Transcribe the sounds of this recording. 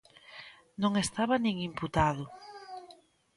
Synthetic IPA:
nõŋest̪aβɐnĩŋimput̪aðʊ

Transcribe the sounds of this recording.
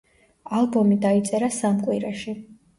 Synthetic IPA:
alˠbɔmid̪ait̪sʼɛɾasamkʼwiɾaʃi

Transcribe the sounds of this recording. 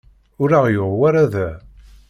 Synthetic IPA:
ʊɾaʁjoʁwaɾaðæ

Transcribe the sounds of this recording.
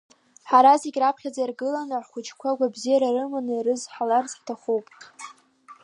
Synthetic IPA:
ħaɾazeɡʲrapʰχʲad͡zairɡɨlanɨħχʷʊt͡ʃkʷʰaɡʷabzijaɾarɨmanɨirɨzħalart͡sʼħtʰaχuwpʼ

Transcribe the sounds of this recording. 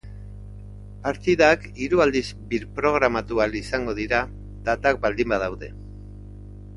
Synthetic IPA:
paɾt̪iðak | iɾuald̪izbiɾpɾo̞ɣ̞ɾamat̪ualisaŋɡo̞ð̞iɾa | ðat̪ak̚bald̪imbað̞awðe̞

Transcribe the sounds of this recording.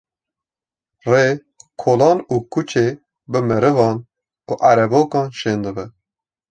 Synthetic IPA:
reː | kʰolɑːnuːkʰut͡ʃʰeː | bɨmɨɾɨvɑːn | uʔæɾɛboːkɑːnʃeːnd̪ɨbɛ

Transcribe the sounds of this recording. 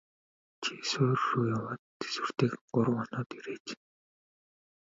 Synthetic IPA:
t͡ɕʰisʊːrruːjawɔːt̪ːe̥swɘ̆r̥t̪eːkɢʊɾə̆wɔnɔːt̪iɾeːt͡ɕ

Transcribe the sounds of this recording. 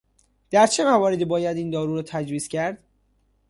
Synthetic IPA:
d̪̥æɾt͡ʃʰe̞mævɒːɾed̪iːbɒːjæd̪iːnd̪ɒːɾuːɾɔːt̪ʰæd͡ʒviːscʰæɾd̪̥

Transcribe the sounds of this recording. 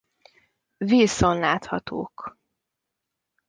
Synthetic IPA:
viːsonlaːt̪hɒt̪ʰo̰ːk

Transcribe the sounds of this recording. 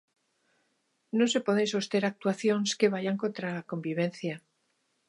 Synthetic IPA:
nose̞poðenso̞st̪e̞ɾak̚t̪waθjo̞nske̞β̞aʝaŋko̞nt̪ɾako̞mbiβ̞ẽ̞nθja

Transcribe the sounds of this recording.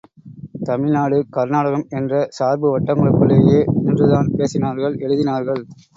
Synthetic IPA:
t̪ɐmɪɭnaːɽɯkɐɾnaːɽɐɣɐmɛndrɐsaːɾbɯʋɐʈːɐŋɡɐɭɯkːɯɭeːjeːnɪndrɯðaːnpeːsɪnaːɾɣɐɭɛɻɯðɪnaːɾɣɐɭ

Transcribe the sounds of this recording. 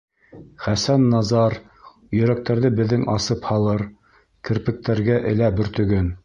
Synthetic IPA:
χæsænːɑzɑɾ | jɵ̆ɾæk̚t̪æɾðɘbɘ̆ðːɘŋʔɑsɤphɑlˠɤɾ | kɘ̆ɾpɘ̆k̚t̪æɾɡæʔɘ̰̆læbɵ̆ɾt̪ɵ̆ɡɘn

